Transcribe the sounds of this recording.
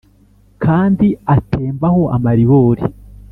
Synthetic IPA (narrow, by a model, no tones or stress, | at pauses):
kʰaːndiatʰeːmbaho̞ʔa̰maɾiβoːɾi